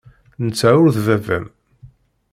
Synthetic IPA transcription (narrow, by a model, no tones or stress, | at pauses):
nt͡sːæʊɾðvævæ̰m